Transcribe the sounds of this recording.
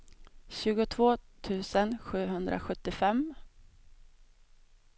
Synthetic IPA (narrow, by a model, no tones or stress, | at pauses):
ɕʉ̟ːɡʊt̪ʰvoːt̪ʰʉ̟ːsənɧʉ̟ːɦɵnd̪ɾʔa̰ɧɵt̪ːɪfɛm